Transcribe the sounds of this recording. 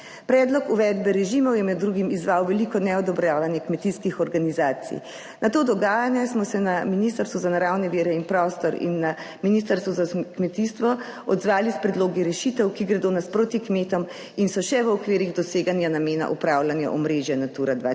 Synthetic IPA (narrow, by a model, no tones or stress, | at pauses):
pɾɛːd̪lɔkuʋɛd̪bɛɾɛʒiːmɔwjɛmɛd̪ːɾuɡimizʋaːwʋɛlikɔnɛɔd̪ɔbɾjaːʋanjɛkmɛt̪iskixɔɾɡanizaːt̪sḭ | nʔat̪oːd̪ɔɡaːjanjɛsmɔsɛnaminist̪əɾst̪ʋuzanaɾawnɛʋiːɾɛinpɾɔːst̪ɔɾḭnːa | minist̪aɾst̪ʋuzakmɛt̪ist̪ʋɔ | ɔd̪zʋaːlispɾɛd̪loːɡiɾɛʃit̪ɛwkiɡɾɛd̪onaspɾoːt̪ikmeːt̪ɔm | insɔʃɛʋəɔkʋeːɾiɣd̪ɔseːɡanjanameːna̰ʔupɾaːwlanja̰ʔɔmɾeːʒjɛnat̪uːɾad̪ʋa